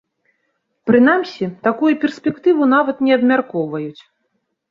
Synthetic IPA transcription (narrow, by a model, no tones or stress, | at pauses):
pɾɨn̪amsʲit̪akujupʲɛrsʲpʲɛkt̪ɨvun̪avɐt̪nʲɛɐbmʲarkɔvɐjut͡sʲ